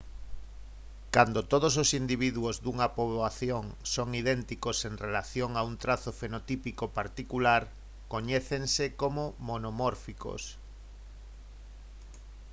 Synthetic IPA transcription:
kand̪ot̪oð̞os̬osind̪iβ̞iðuozðuŋapoβaθjoŋsoŋiðɛnt̪ikoseŋrelaθjoŋaunt̪ɾaθofenot̪ipikopaɾt̪ikulaɾ | koɲeθeŋsekomomonomɔɾfiko̰s

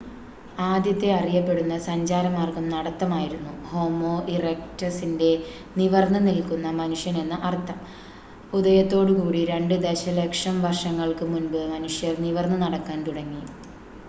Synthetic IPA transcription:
aːd̪jɐt̪ːe̞ɐrijɐpːe̞ɽunːɐsɐɲd͡ʑaːɾɐmaːrkɐmnɐɽɐt̪ːɐmaːjiɾunːuho̞ːmo̞ːʔirek̚tɐsinde̞ | niʋɐrnɐnilkunːɐmɐnuʂjɐne̞nːɨʔɐrt̪ːɐm | ud̪ɐjɐt̪ːo̞ːɽukuːɽiɾe̞ɳɖɨd̪e̞ɕɐlekʂɐmʋɐrʂɐŋːɐɭkɨmunbɨmɐnuʂjɐrniʋɐrnːɐnɐɽɐkːaːnt̪uɽɐŋːijum

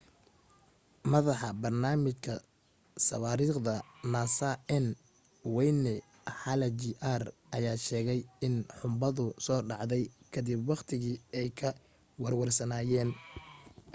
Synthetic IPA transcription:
mɐðɑħɑbɐrnaːmɪt͡ʃkʰɐ | sɐ̰waːɾiːχd̪ɐnasaʔɛn | wɛjnɛ | ħɑlɐd͡ʒiʔarʔɐjaːʃɛːɣɛjɪnħʊmbɐðʊsɔːɖɑʕðɛjkʰɐd̪ɪbwɑχt̪ʰɪɣiːɛjkʰɐ | wɐrwɐrsɐnaːjɛːn

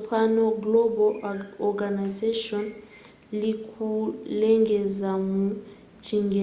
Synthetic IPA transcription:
pʰanɔɡlɔbɔɔɡanazeʃɔn | likʰulɛŋɡɛzamu̥ | t͡ʃʰiŋɡɛ

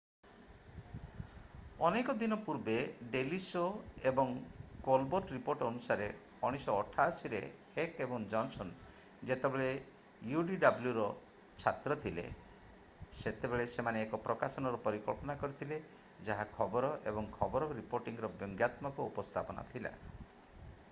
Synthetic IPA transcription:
ɔnekɔd̪inɔpuɾbeɖelisoebɔŋkolboɾʈɾipoɾʈɔnusaɾe | ɔɽ̃isɔːʈʰasiɾḛhekebɔŋd͡ʒɔnsɔn | d͡ʒet̪ebeɭe | juɖiɖabljuɾɔ | t͡ʃʰat̪ɾɔt̪ʰilḛ | set̪ebeɭesemaneːkɔpɾɔkasɔnɔɾɔpɔɾikɔ̰ɭpɔnakɔɾit̪ʰile | d͡ʒaɦakʰɔbɔɾɔʔebɔŋkʰɔbɔɾɔɾipoɾʈiŋɾɔbjɔŋɡjat̪mɔkɔupɔst̪ʰapɔna̰t̪ʰila̰

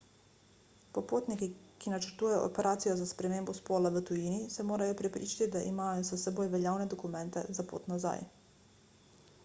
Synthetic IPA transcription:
popoːt̪nikikinat͡ʃəɾt̪uːjajo̰ʔo̰pɛɾʔaːt̪sijozaspɾɛmeːmbɔspoːlaʋət̪ujiːnisɛmoːɾajopɾɛpɾḭːt͡ʃḁt̪id̪aʔimaːjosasɛboːjʋelʎʲaːwned̪okumɛnt̪ɛ̰zapo̰ːt̪naza̰j

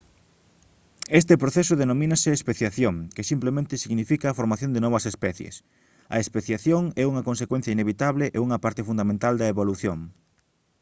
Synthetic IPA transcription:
est̪ɪpɾoθesʊðenomĩnɐsɪːspeθjaθjoŋkɪsimplemẽnt̪ɪsiɣnifikɐːfoɾmaθjõnd̪enɔβɐsespɛθjḛs | ɐ̰espeθjaθjoŋɛuŋɐkons̬ekwẽn̟θjɐineβit̪aβlɪʔeuŋɐpaɾt̪ɪfund̪amẽnt̪ald̪ɐeβoluθjoŋ

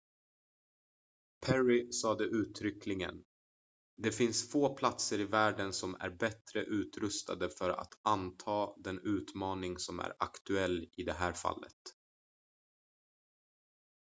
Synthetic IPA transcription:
pʰæɹɪsɑːd̪əʔʉ̟ːt̪ʰɾʏkʰlɪŋə̰n | d̪ɛfɪnsfoːpʰlat̪səɾɪvæːɖənsɔmæ̰ɾbɛt̪ɾəʔʉ̟ːt̪ɾɵst̪a̰d̪əfœɾa̰t̪ant̪ʰɑːd̪ɛnʉ̟ːt̪mɑːnɪŋsɔmæ̰ɾa̰kt̪ɵɛlːɪd̪ɛɦæːɾfa̰lːə̰t̪

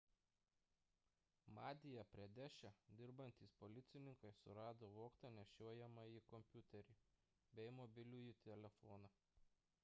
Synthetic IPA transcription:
mɑːd̪ʲɪjɛpʲɾʲiɛd̪ʲæʃʲæd̪ʲɪɾbɐnʲt̪ʲiːspɔlʲɪt̪sʲɪnʲɪŋkɐɪsʊ̰ɾɑːd̪oːʋoːkt̪ɐnʲɛʃʲoɔjɛmɐikɔmʲpʲjʊt̪ʲɛɾʲiːˑ | bʲɛɪmɔbʲɪlʲuːjit̪ʲɛlʲɛfɔːnɑ

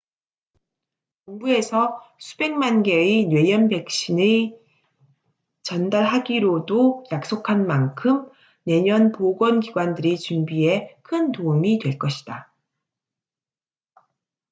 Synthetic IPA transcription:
koŋbue̞sʰʌsʰube̞ŋmanɡe̞inwe̞jʌnbe̞k̚ɕ͈inɯ | t͡ɕʌndaɭɦaɡiɾodojak̚s͈okʰanmankʰɯm | ne̞ɲʌnpoɡwʌnɡiɡwandɯɾit͡ɕumbie̞kʰɯntoumitwe̞ɭk͈ʌɕʰi̥d̥a

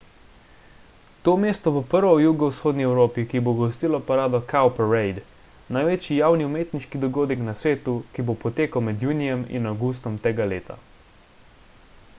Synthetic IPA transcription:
t̪oːmeːst̪ɔbopəɾʋɔwjuɡɔwsxoːd̪niɛwɾoːpikiboɡɔst̪iːlɔpaɾaːd̪ɔkʰawpɛɾɛjd̪ | najʋeːt͡ʃjijaːwniumeːt̪niʃkid̪ɔɡoːd̪ɛknasʋeːt̪ukibopɔt̪eːkawmɛd̪junijɛmḭnawɡust̪ɔmt̪eːɡaleːt̪a̰

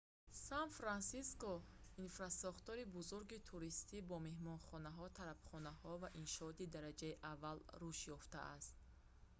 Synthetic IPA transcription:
sanfɾansiskɔinfɾasɔχt̪ɔɾibuzuɾɡit̪ʰuɾist̪ibɔme̞hmɔnχɔnaɦɔt̪ʰaɾabχɔnahɔvaʔinʃɔɔt̪id̪aɾad͡ʒaiʔavːalruʃjɔft̪a̰ʔa̰st̪̚

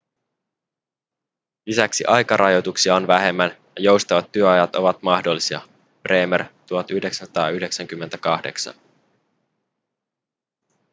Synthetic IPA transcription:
lisæksiʔɑjkɑɾʔɑjo̞t̪uksiɑonʋæɦe̞mːænjɑjo̞wst̪ɑʋɑt̪ːyøɑjɑt̪o̞ʋɑt̪mɑhdo̞lːisiɑ̰ | pre̞ːmert̪uhɑt̪yhde̞kst̪ɑːyhde̞ksæŋk̟ymːent̪ækɑhde̞̰ksɑ̰n

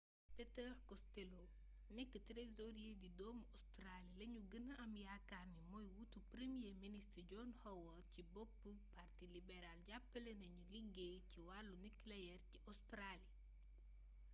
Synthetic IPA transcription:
pɛtɛɾkɔstelo | nɛkːətɾezoɾijedidɔmɔstɾalilɐɲuɡənɐʔɐmjakːanimɔjwutupɾemijeministɟɔːnhɔwɔcibopːəpartilibɛɾalɟapːəlɛnɐɲuliɡːeciwalːunikːlɛjɛrciʔɔstɾali

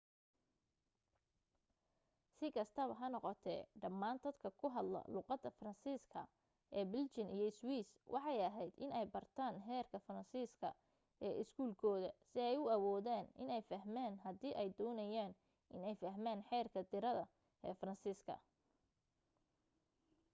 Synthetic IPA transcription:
sɪkʰɐst̪ʰɐβɐɦɐnɔqɔt̪ʰɛɖɐmːaːnd̪ɐd̪kʰɐkʰʊɦɐd̪lɐ̰luːqɑd̪ːɐfrɐnsiːskʰɐ̰ | ʔɛːbɪlt͡ʃɪnʔijɞɪswiːswʔɑħɑjɐɦɛjd̪ɪ̰nɛjbɐrt̪ʰaːnħɛːrkʰɐfɐrɐnsiːskʰɐ̰ | ʔɛːʔɪskʰuːlkʰɔːðɐsɪɛjʊɐwɔːðaːnʔɪ̰nɛjfɐɦmaːnɦɐd̪iːʔɛjd̪ɔːnɐjaːn | ʔɪnɛjfɐɦmaːnħɛːrkʰɐd̪ɪɾɐðɐ | ʔɛːfrɐnsiːskʰɐ̰

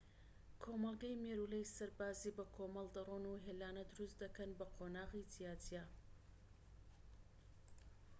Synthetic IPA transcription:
kʰomɑlˠɡɐjmeːɾuːlejsɐɾbaːziːbɐkʰoːmɑlˠd̪ɐronuɦeːlaːnɐd̪ʊɾust̪d̪ɐkɐnbɐqʰonaːʁit̪ʰijaːt̪ʰija

